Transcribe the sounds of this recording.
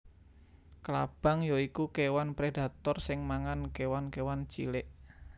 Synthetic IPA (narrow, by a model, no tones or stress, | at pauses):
klab̥a̤ŋjoikukewanpɾed̥a̤t̪ɔrsɪŋmaŋankewankewant͡ʃḭlɪʔ